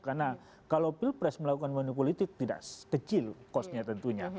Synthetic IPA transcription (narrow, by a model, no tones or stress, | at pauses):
karna | kalowpilpɾɛsməlakukanwanupolit̪ɪk̚t̪ida̰skət͡ʃɪlkɔsɲat̪ənt̪uɲa